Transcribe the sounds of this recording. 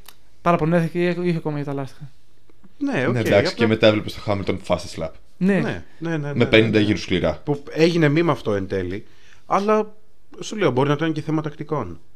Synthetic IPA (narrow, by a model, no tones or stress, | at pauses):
pɐɾɐponeθicoçɐko̞mɐjɐt̪ɐlɐst̪ixɐ | neoned̪ɐkssi̥ceme̞t̪ɐevlepest̪o̥xɐmilt̪onfɐsislɐ̰p | nene | neneme̞penind̪ɐʝiɾuskliɾɐpu | eʝine̞mimɐɐːft̪oent̪e̞li | ɐlɐ | suleo̞bo̞ɾinɐt̪oɐnceθemɐt̪ɐkt̪iko̞n